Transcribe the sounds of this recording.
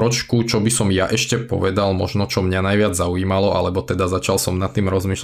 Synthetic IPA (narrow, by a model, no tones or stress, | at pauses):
ɾɔt͡ʃkut͡ʃɔbisɔmjaʔɛʃcɛpɔ̰ʋɛd̪almɔʒnɔt͡ʃɔmɲanajʋɪad͡zzauiːmalɔʔa̰lɛbɔt̪ɛd̪azat͡ʃalsɔmnat̪ːiːmɾɔzmiːʃ